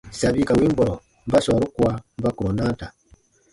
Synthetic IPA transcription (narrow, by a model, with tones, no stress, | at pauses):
sa˨βi˦ka˨wi˦m˦bɔ˨ɾɔ˨ | m̩˦ba˦sɔ˨ɾu˦kwa˦m̩˦ba˦ku˨o˨na˦ta˨